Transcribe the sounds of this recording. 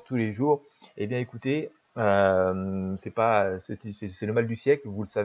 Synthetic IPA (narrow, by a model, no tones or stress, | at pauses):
ʁt̪uleʒuʁ | ebjɛ̃ekut̪e | ø | sɛpasɛt̪sɛsɛləmald̪ysjɛklvuləsave